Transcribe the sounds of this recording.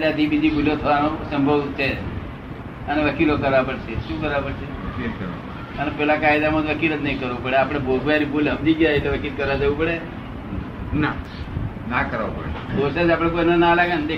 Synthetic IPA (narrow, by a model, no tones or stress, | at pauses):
leat̪ibid͡ʒʱibuljot̪ʰəʋanosəmbʱəʋt͡ʃʰe | əneʋəkilokəɾʋapəɽʃʰeʃũkəɾʋapəɽt͡ʃʰeʋəkikəɾʋa̰pəeənepɛlakajd̪amõd͡ʒ̪ʋəkilət̪nəĩkəɾʋũpəɽeapɽ̃ebʱoɡʋaɾibʱulɦəmd͡ʒiɡjaet̪eʋəkilkəɾʋad͡ʒəʋũpəɽe | na | nakəɾʋa̰pə̰ɽbosad͡ʒapɽ̃ek̬ojnonalaɡənd̪e